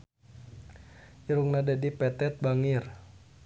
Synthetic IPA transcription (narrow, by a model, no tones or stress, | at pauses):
ʔiɾuŋnadɛdipɛt̪ɛt̪̚baŋir